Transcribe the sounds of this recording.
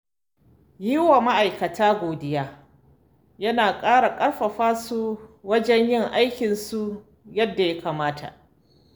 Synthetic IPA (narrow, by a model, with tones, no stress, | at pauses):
jiː˦wa˨ma˦ʔa˨jkɐ˨tʰaː˦ɡʷoː˨dɪ˦jaː˦ | jɐ˦naː˨kʼaː˦ɽa˨kʼɐ˦ɽɸɐ˨ɸaː˦su˦wɐ˦d͡ʒɛ˦ɲjɪ˦˨ŋʔa˦jkʲɪ˨nsu˦ | jɐ˦dːa˨ja˦kaː˨maː˦tʰa̰˨ʔ